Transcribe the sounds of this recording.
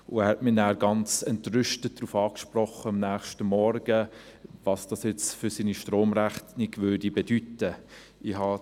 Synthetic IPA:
ʊæɾhɛtmɪnæːɾɡɑnt͡sɛntrʏʃtət̚d̥ɾuːfɑːkʃpɾɔχːəɑmnæːχʃtəmɔɾɡə | vɑsd̥ɑsjɛt͡sfʏɾsiːniʃtɾoːmɾæχtnɪɡvøɾdibedytə | ihɑ

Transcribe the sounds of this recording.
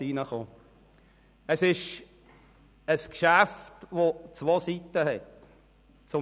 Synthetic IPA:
iːnəχoː | əsɪʃ | əskʃæftʋot͡sʋoːsitəɦɛt | t͡sʊ

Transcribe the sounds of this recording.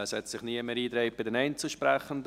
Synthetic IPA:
əshɛtsɪχniəməɾiːdɾeɪbɪdɛnɛɪnt͡səʃpɾɛχən̩d

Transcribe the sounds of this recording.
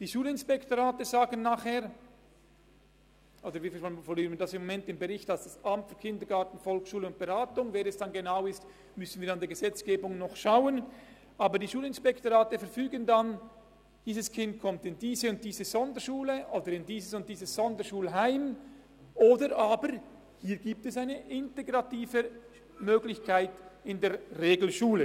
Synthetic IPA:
d̥iːʃuːlɪnspɛktoʁaːtəzaːɡən̩ːaːχhɛːɾ | ʔoːdəɾviːffɔlyːʁənmviːdɑsɪmːomɛntɪmbeʁɪçtalsd̥asʔamtfykʰɪndəɡɑtn̩fɔlksʃuːləʊnt̚b̥eʁaːtʊŋvɛnɛsd̥ɑnɡenaʊɪst | mʏsn̩viːɾandeːɐɡezɛt͡sɡ̥eːbʊŋnɔχʃaʊən | ʔaːbədiːʃuːlɪnspɛktoʁaːtəfɛɾfyːɡəndan | d̥iːzəskʰɪnt̚kʰɔmtɪndiːzəʊnt̚d̥iːzəz̥ɔndəʃuːləʔoːdəɾɪndiːzəsʊnt̚d̥iːzəsz̥ɔndəʃuːlɦaɪm | ʔoːdəɾʔaːbəɾ | hiːɐɡiːp̚tɛsaɪnəʔɪnteɡʁɑtiːvə | møːɡlɪçkʰaɪtɪndeːɐʁeːɡl̩ʃuːlə

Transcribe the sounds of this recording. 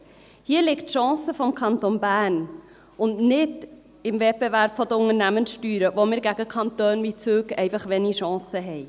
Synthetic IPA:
hiːəɾlɪktʃɑ̃ːsəfɔmkʰɑnt̪onbæːn | ʊndnɪd | ɪmvɛt̚b̥evæɾb̥fɔd̪əʊŋəɾnæmənsʃtyːɾəvomɪːɾɡæɡəkʰɑntøːnvit͡søːkɛ̰ɪfɑχʋɛniʃɑ̃ːsəɦɛɪ

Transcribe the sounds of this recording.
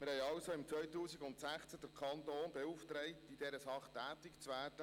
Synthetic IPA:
mɪɾhɛjɑʊsoɪmt͡sʋœɥtuːsɪɡʊntsæχt͡səd̥əɾkʰɑntoːnbeuft̪ɾɛɪtid̥ɛɾəsɑχtæːtɪkt͡sʋæːd̥ə

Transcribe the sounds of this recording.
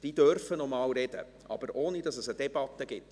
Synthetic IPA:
d̥iːd̥œrfənɔmɑːwɾɛd̥ə̰ | ʔɑ̰b̥əɾʔoːnid̥ɑsəsəd̥ɛb̥ɑt̪ːəɡ̥ɪt

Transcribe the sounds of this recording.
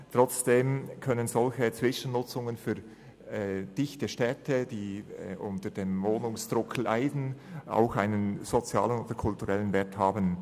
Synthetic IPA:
tʁ̥ɔt͡sd̥eːmkʰœnənzɔlçət͡sv̥ɪʃən̩nʊt͡sʊŋənfyː | d̥ɪçtəʃtɛtʰəd̥iːʔʊntəd̥eːmvoːnʊŋsd̥ʁʊkʰl̩a̰ɪdn̩ʔa̰ʊxaɪnənz̥ot͡sja̰ːlənoːd̥əkʰʊltuʁɛlənvɛːthaːbən

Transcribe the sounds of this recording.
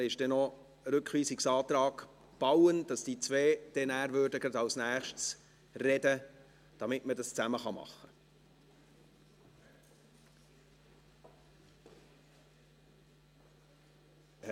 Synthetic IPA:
ɪʃd̥ɛnɔ | ɾʏkχʋiːsɪksɑːt̪ɾɑːɡ̥ | b̥ɑwənd̥ɑsd̥iːt͡sveːd̥ɛnæːɾvøɾdəɡɾɑdɑwsnæːχʃts | rɛdə | d̥ɑmɪtmədɑst͡sæməχɑmɑ̰χːə

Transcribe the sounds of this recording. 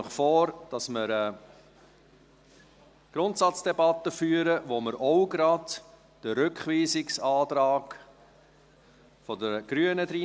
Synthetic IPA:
χfɔːɾd̥ɑsməɾɛ | ɡ̥ɾʊntsɑt͡sd̥ɛbɑt̪ːəfyːəɾəvoməɾʔɔʊɡɾɑd | d̥əɾʏkχviːsɪksɑːtɾɑːk | fɔdəɡ̥ɾyːənədɾiː

